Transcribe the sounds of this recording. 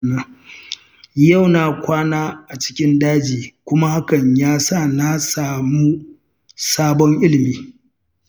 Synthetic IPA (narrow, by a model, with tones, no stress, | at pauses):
a˨ | ja˦˨wnaː˨kʷaː˦naː˦ʔa˨t͡ʃɪ̥˦kʲɪ˦ndaː˦d͡ʒiː˨kʷʊ˦ma˦ha˦kɐ˨ɲjaː˦sa˦˨na˦saː˨mu˦ | saː˦bɔ˦ŋʔɪ˦lɪ˨miː˦